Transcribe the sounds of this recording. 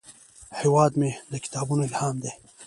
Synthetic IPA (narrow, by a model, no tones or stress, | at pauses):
hiwɑːd̪med̪əkɪ̥t̪ɑːbunoɪlhɑːmd̪eː